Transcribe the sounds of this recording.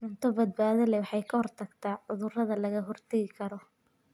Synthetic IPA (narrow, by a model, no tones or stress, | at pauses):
ʊnt̪ʰɔbɐd̪̚baːðɐlɛwɑħɑjkʰɐhɔrt̪ʰɐɡt̪ʰaːʕʊðʊrɐðɐlɐɣɐɦɔrt̪ʰɛɣɪkʰɐɾɔ